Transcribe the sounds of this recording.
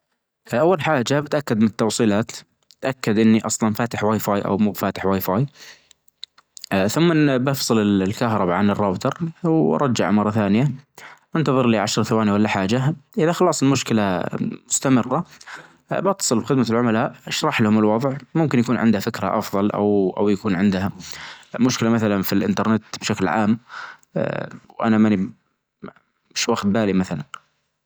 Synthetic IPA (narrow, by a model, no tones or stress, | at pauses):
ʔawːalħaːd͡ʒabɪt̪ʔakːad̪mɪnɪt̪ːɑwsˤiːlaːt̪ | ɪt̪ʔakːad̪ʔɪnːiʔɑsˤlɑnfaːt̪ɪħwajfaːjʔa̰wmuːbfaːt̪ɪ̥ħwajfaːj | θʊmːabɑfsˤɨlɪllkahɾˤɑbaʕanɪrˤːɑːbt̪ɑɾˤwɑ̰ɾˤɑd͡ʒːa̰ʕmɑrˤːɑθaːnɪjaʔɪnt̪ɑðˤɨɾliːʕaʃɾˤθawaːniwalːaħaːd͡ʒaʔɪðaxɑlɑːsˤɪlmʊʃkɪlamʊst̪amɪrːa | bɑt̪ːɑ̥sˤɨlbxɪd̪malʕʊmalaːʔʃɾˤɑħlahʊmɪlwɑðˤʕmʊmkɪnjakuːnʕɪ̰nd̪hafɪkɾa̰ʔɑfðˤɑlʔa̰wʔa̰wjakuːnʕɪnd̪hamʊʃkɪlamaθalanfilʔɪnt̪ɑɾˤnɪt̪b̥ʃaklʕa̰ːm | wʔa̰namani | mɪʃwaxt̪̚baːlimaθalan